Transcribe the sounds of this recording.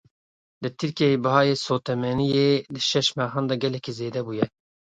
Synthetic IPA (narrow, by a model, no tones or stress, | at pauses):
d̪ɨt̪ʰɨɾkiejebɨɦɑːjeːsoːt̪ɛmɛnijed̪ɨʃɛʃmɛɦɑːnd̪ɑɡɛlɛkizeːd̪ɛbuːjɛ